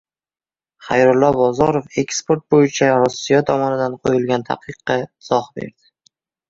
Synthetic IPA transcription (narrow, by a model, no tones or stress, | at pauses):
χajɾʊlːɒbɒzɒɾofe̞kʲspoɾt̪̚bojɪt͡ʃʰaɾʊsːijɒt̪ʰɒmɒnɪd̪anqʰojɪlˠɡʲant̪ʰa̰qɨqːɑɪz̥ɒhbe̞̰ɾd̪̥ɪ